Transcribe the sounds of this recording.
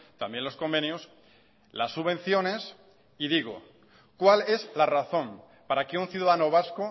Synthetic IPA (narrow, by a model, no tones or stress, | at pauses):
t̪ambje̞nlo̞skombe̞njos | lasːuβe̞n̟θjo̞ne̞s | iðiɣo | kwale̞zlaraθõ̞m | paɾakeunθjuðaðanoβ̞asko